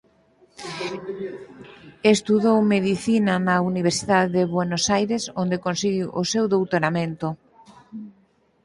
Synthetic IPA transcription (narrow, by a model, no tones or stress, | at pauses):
est̪uðowmeðiθinanauniβ̞eɾsiðaððeβwenosajɾesond̪ekonsiɣiwʔosewðowt̪oɾamẽnt̪o